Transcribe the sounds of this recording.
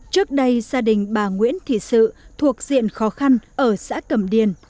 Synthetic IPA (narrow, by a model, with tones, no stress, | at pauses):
t͡ɕɨ˦˥ək̚ɗə˧jzaː˧ɗï˨˩ŋ̟ɓaː˧˩ŋwḭ˧˥ənt̪ʰi˧˨sɨ̰˧˨t̪ʰu˨˩ək̚zḭ˧˨ənxɔ˨˦xa˧nʔəː˧˩sa̰ː˧˥kə˧˩mɗi˨˩ən